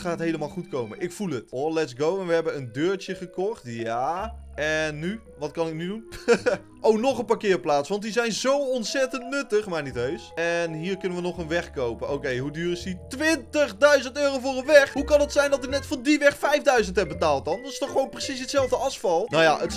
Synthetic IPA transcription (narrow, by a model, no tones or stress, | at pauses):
χaːətɦejləmaːlˠχutkowmənʔɪkfulˠətɔlɛtsɡowɛnʋəɦɛbənəndøːɹt͡ʃjəχəkɔχtjaːɛnːy | ʋɑtkɑnɪk̚nydun | ʔownɔχənpaːkɪːrplaːtsʋɑntdizɛjnzowɔnsɛtəntnɵtəχmaɹnitøɥsɛnɦiːrkɵnənʋənɔχənʋɛχkowpənʔowkejɦudyːrɪsditʋɪntəχdœɥzəntøːrowvʊːrənʋɛχɦukɑnətsɛjndɔtɪk̚nɛtfʊːdiʋɛxfɛjvdœɥzəntɦɛp̚bətaːlˠt̚dɑndøɪstɔχəʋownprəsisətsɛlˠvdəɑsfɑlˠnaja̰ʔət